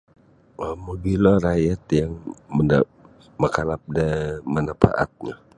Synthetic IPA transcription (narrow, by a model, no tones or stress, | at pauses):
əməɡilɔɾajat̪jaŋəna | məkalap̚damənapa̰ʔa̰t̪̚ɲa